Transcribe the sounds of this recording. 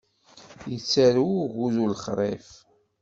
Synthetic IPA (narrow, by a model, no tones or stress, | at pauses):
jət͡sːæɾuʝuðulχɾˤḛf